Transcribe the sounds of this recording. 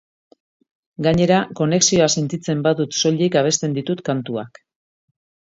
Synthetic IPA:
ɡaɲe̞ɾako̞ne̞ksio̞ase̞nt̪it͡se̞mbaðut̪so̞ʎikaβ̞e̞st̪e̞nd̪it̪ut̪kant̪ua̰k

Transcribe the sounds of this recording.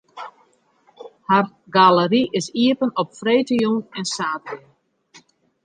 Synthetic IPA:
har | ɡaləriʔɪsiəpənɔpfrejtəjɔŋɛnsaːti

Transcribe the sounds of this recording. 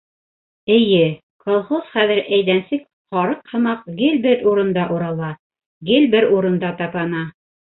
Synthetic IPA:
ɘ̆jɘ | kolˠχosχæðɘ̆ɾæjlænsɘk | qɑɾɤqhɤ̆mɑq̚ɡɘlbɘɾuɾɤ̆nd̪ɑʔuɾɑlˠɑ | ɡɘlbɘɾuɾɤ̆nd̪ɑt̪ɑpɑnɑ

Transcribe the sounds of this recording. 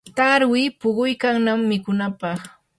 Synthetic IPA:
t̪aɾwɪpʊɢʊjkaŋnamːɪkʊnapɑχ

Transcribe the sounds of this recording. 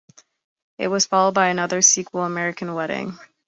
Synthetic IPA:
ɨ̰t̚wʌz̥fɑlˠoʊd̚baɪɨnʌðə˞sikʰwl̩ˠəmɛɹɨkʰn̩wɛɾɪ̰̃ŋ

